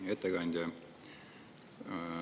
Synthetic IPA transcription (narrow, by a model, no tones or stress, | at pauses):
et̪ːeɡɑnʲd̪ʲjɑ